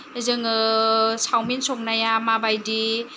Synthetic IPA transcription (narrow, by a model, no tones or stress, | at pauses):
ezɯŋɯsawminsɔk̚najamabajdi